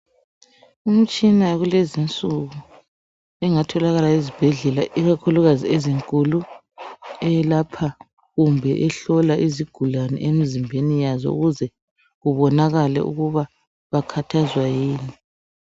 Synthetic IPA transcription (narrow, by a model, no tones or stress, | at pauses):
um̩t͡ʃʼinaɣulezint͡sʼuɣu | ɛŋatʰɔlaɣalaizib̥ʱɛɮɛlaʔiɣakʰuluɣazieziŋkʼulu | ɛlapʰa | ɣumbʱɛʔɛɬɔlaʔiziɡ̥ʱulanɛ̰ʔemizimbʱenijazɔ̰ṵɣuzɛ | ɣuβɔnaɣalɛ̰ʔṵɣuβa | βakʰatʰazwajiːni